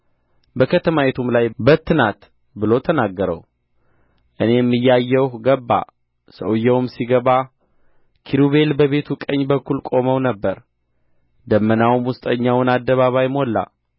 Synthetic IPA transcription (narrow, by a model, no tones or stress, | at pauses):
bəkʰət̪ʰəmaet̪ʰumlajbət̪ʰːɨnat̪ | bɨlo̞t̪ʰənaɡːəɾə̰w | ʔɨne̞jɛmːɨjːajːɛwhɡəbːa̰ | sə̰wjːɛwmsiɡəβa | kʰiɾuβe̞lbəβe̞t̪ʰukʼəɲːbəkːulkʼo̞məwnəbːəɾ | d̪əmːənawmwʊst̪ʼəɲːawnad̪ːəβaβajmolːa̰